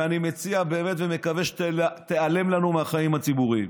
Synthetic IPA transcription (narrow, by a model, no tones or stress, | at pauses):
animet͡siabeːme̞t̪veme̞kaveʃt̪eale̞mlanumeaχaimhat͡sibuʁim